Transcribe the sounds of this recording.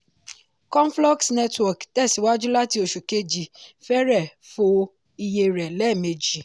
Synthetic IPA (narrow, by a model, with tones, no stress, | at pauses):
kɔ̃˦n˦flɔ˦ksnɛ˦twɔ˨ktɛ˦˨si˨˦wa˦d͡ʒu˦la˦ti˧˦o˨˧ʃu˨ke˧˦d͡ʒi˨fɛ˦ɾɛ˦˨fo˧ | i˧je˧ɾɛ˨lɛ˦˨me˧d͡ʒi˨